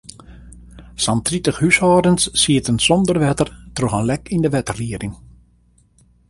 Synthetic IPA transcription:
santritəxhysɔːdənsːiətənsɔndərʋɛtərtroxənlɛkʰindəʋɛtərliədɪŋ

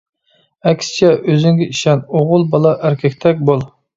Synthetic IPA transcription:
ɛkʲst͡ʃʰɛʔøzyŋɡʲɛiʃɛnoʁʊlˠbɑlˠɑʔæɾkʲʰɛkʲt̪ʰɛk̚ʲbolˠ

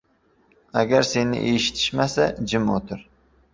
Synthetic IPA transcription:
aɡʲaɾse̞nɪ̰ʔeʃɪ̥t̪ʰɪ̥ʃmasad͡ʒɪmot̪ʰɪɾ

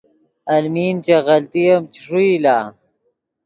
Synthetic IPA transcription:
ɐlmiːnt͡ʃeɣɐlt̪ijɐmt͡ʃi̥ʂuilaː

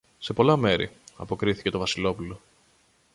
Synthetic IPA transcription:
se̞po̞lɐme̞ɾḭɐ̰po̞kɾiθi̥ce̞t̪o̞vɐsilo̞pulo̞

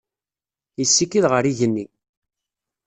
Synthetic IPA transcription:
jəsːikiðʁəɾiʝənːi

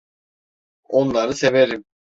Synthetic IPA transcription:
o̞nlˠaɾɯseveɾim

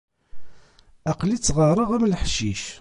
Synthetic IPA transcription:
æqlit͡sːʁəɾˤəʁæmləħʃiʃ

